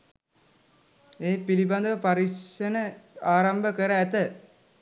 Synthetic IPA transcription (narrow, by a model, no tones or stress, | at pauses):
eːpiliband̪əʋəpaɾiʂənəaːɾambəkəɾəæt̪ə